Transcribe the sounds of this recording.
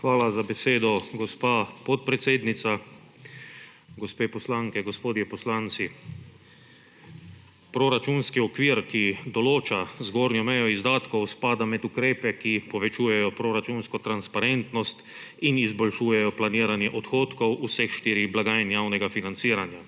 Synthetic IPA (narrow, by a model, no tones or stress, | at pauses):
xʋaːlazabɛseːd̪ɔɡɔspaːpɔt̪̚pɾɛt̪seːd̪nit̪sa | ɡɔspeːpɔslaŋkɛɡɔspoːd̪jɛpɔslant̪si | pɾoɾat͡ʃunskiɔkʋiːɾkid̪ɔloːt͡ʃazɡoɾnjɔmɛjɔizd̪aːt̪kɔwspaːd̪amɛt̪ukɾeːpɛkipɔʋɛt͡ʃuːjɛjɔpɾoɾat͡ʃunskɔt̪ɾanspaɾent̪nɔst̪ | inizbɔlʃuːjɛjɔplaniːɾanjɛʔɔt̪xoːt̪kɔwusɛxʃt̪iːɾiblaɡaːjɛnjawnɛɡafinant̪siːɾanja